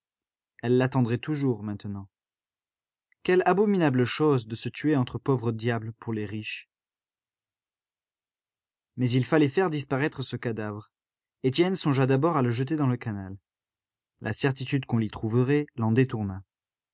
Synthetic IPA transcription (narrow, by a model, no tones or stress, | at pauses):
ɛlːat̪ɑ̃d̪ʁɛt̪uʒuʁmɛ̃t̪ənɑ̃ | kʲɛlabɔminabləʃozd̪əsət̪ɥeɑ̃t̪χəpovʁəd̪jabləpʰuʁleʁiʃ | mɛzilfalɛfɛʁd̪ispaʁɛt̪χəsəkad̪avʁ | et̪jɛnsɔ̃ʒad̪abɔʁaləʒət̪̬ed̪ɑ̃ləkanal | lʔa̰sɛʁt̪it̪yd̪kɔ̃lit̪χuvəʁɛlɑ̃d̪et̪uʁna